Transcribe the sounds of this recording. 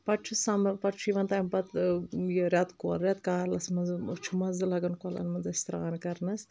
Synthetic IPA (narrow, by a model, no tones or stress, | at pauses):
pɐʈ̚t͡ʃʰusampɐʈt͡ʃʰuiʋɐnt̪aːjmpɐt̪jɾʲat̪kolɾʲjat̪kaɾlɐsmɐzɨt͡ʃʰumɐzɨlɐɡɐnkalɐ̰nmɐnzɐsʲt̪ɾɐ̰ɣankɐɾnɐs